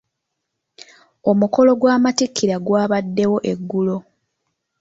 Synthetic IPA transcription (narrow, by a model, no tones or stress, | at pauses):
o̞muko̞lo̞ɡwaːmatikʰːiɾaɡwaːβadːe̞wo̞ʔeɡːulo̞